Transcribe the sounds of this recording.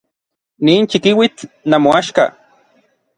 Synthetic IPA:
niːnt͡ʃikiwit͡ɬnamoaʃka̰

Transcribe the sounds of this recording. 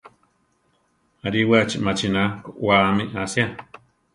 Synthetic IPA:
aɾiwat͡ʃimat͡ʃinakoʔwaamiʔasja

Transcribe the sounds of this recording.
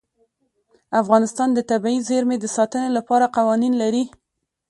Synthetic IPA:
afɣɑnɪst̪ɑnd̪ət̪abaizeɾmed̪əsɑt̪ənelapɑɾaqawɑninlaɾi

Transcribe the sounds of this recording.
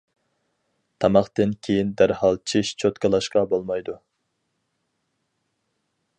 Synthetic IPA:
t̪ʰɑmɑχt̪ɨnkʲʰejind̪æɾhɑlˠt͡ʃʰiʃt͡ʃʰot̪kʰɑlˠɑʃqɑbolˠmɑjd̪u

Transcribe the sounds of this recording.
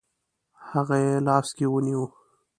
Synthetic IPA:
haɣajelɑːskiwəniwu

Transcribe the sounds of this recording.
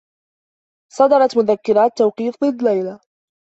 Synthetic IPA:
sˤɑd̪ɑɾˤɑt̪mʊðakːɪɾaːt̪ːawqiːfðˤɨd̪ːlajla

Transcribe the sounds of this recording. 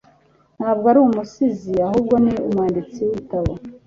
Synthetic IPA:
n̥haːb̚ɡoaɾuumusiziaɦuːbɡo̞niumwaːndit͡siitaβa

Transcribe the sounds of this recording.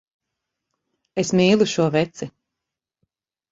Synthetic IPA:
esmiːlˠuʃuɔvɛt̪si

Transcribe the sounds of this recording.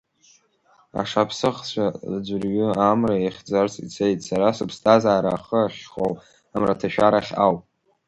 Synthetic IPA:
a̰ʂapʰsɨχt͡ɕʷʰald͡ʒʷʊrɥʏamraeχʲd͡zart͡sʼḭt͡sʰejtʼsaɾasɨpʰstʰʼazaːɾaːχəaʃχo̰w | amratʰaʃᶣaɾaχʲa̰wpʼ

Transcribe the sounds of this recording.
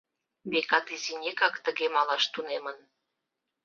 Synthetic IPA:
βekɑt̪izinʲekɑkt̪əɣemɑlɑʃt̪unemən

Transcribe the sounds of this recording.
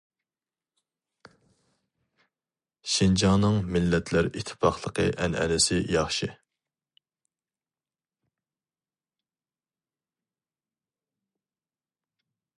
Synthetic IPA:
ʃind͡ʒɑŋnɨŋmɪlːɛt̪ʰlæɾit̪ʰːɪ̥pʰɑχlˠəqʰəʔɛnɛ̰lɪsɪjɑχʃɨ

